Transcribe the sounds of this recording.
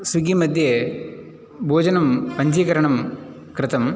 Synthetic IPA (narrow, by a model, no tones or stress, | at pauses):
suɡimɐd̪ʱjɐ | bʱoːd͡ʑɐnɐmpɐɲd͡ʒiɡɐɾɐɳɐm | kɾɨt̪ɐm